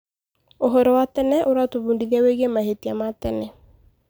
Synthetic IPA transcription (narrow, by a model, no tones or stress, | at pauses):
oɦɔɾɔwatɛnɛʔoɾatoβundiðiaweɣemaɦetiamatɛnɛ